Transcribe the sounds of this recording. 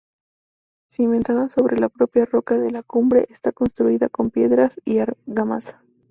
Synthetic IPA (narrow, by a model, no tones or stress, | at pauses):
sime̞nt̪aðaso̞βɾelapɾo̞pjaro̞kaðe̞lakumbɾe̞ʔest̪ako̞nst̪ɾuiðako̞mpje̞ðɾasiaɾɣamasḁ